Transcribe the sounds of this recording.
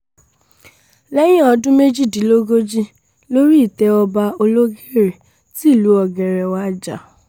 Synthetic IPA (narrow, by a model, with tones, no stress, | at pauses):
lɛ˦j̃ɛ̃˦ɔ˧dũ˦me˦d͡ʒi˦˨di˨˦lo˦ɡo˦d͡ʒi˦ | lo˦ɾi˦i˦˨tɛ˧ɔ˧ba˧o˧lo˦ɡe˦˨ɾe˨ | ti˦˨lu˨˦ɔ˧ɡɛ˧ɾɛ˧wa˦˨d͡ʒa̰˨